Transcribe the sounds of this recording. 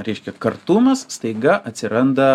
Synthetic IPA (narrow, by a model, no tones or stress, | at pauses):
ɾʲɛɪʃʲkʲɛkɐrt̪uːmɐsst̪ɐɪɡɐʔɐt̪ʲsʲɪɾɐnd̪ɐ